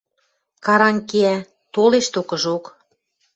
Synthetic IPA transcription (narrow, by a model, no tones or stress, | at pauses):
kɑɾɑŋkeæ | t̪oleʃt̪okɤ̆ʒok